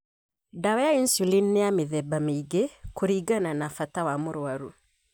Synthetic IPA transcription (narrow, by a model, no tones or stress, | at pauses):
dawɛjainsulinːejameðɛbameiɡekoɾiɡananafatawamoɾwaɾu